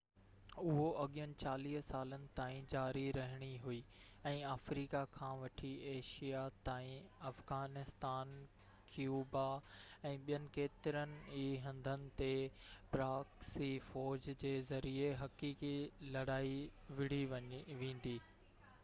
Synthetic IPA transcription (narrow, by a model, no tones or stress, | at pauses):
ʊɦoɐɠjənɪ̆t͡ɕaːliːɦsaːlənɪ̆t̪aːĩd͡ʑaːɾiɾɐɦɪɽ̃iɦuiː | ɛ̃ːaːfɾiːkakʰãːʋɐʈʰieːʃijat̪aːĩɐfɣaːnɪst̪aːn | kjuːbaɛ̃ːɓijənɪ̆keːt̪ɪɾənɪ̆iːɦɐ̃nd̪ʱənɪ̆t̪epɾaːksifɔːd͡ʑd͡ʑeːzɐɾieɦɐkiːkilɐɽaːiʋɪɽ̤iʋẽːn̆d̪iː